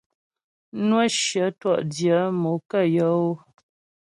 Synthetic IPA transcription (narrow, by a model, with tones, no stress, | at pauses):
nwə˦ʃjə˨˦twɔ˦˨ʔdjə˨˦mo˨˦kə˦˨jə˨˦o˦